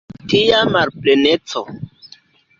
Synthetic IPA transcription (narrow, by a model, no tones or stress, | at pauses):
tijamaɾplenet͡so